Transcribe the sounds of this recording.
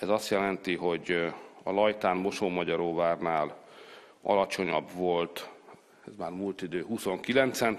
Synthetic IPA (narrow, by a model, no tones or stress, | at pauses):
ɛzɒst̪jɛlɛnt̪iɦo̞ɟɒlɒjt̪aːnmo̞ʃoːmɒɟɒɾoːvaːrnaːl | ɒ̰lɒt͡ʃo̞ɲɒbvo̞lt̪ | ɛzmaːrmult̪id̪øːɦuso̞ŋkilɛnt̪sɛn